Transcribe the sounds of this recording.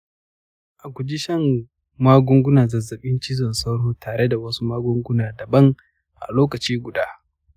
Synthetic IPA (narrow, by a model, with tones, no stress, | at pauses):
ʔa˨kʷʊ˨d͡ʒi˦ʃɐ˦˨m | maː˦ɡʷʊ˦ŋɡʷʊ˦naː˨zɐ˨zɐ˨ɓɪ˦nt͡ʃɪ˦zɔ˨nsa˦wɽoː˦taː˨ɽe˦da˨wɐ˦su˦maː˦ɡʷʊ˦ŋɡʷʊ˦naː˨dɐ˨bɐ˦ŋ | ʔa̰˨loː˦kɐ˨t͡ʃiː˦ɡʷʊ˨daː˦